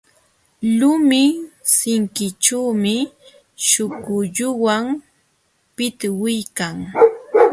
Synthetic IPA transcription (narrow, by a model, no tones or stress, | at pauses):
lʊmɪsɪŋkɪt͡ʃaːmɪ | ʃʊkʊʎʊwam | pɪt̪wɪjkaŋ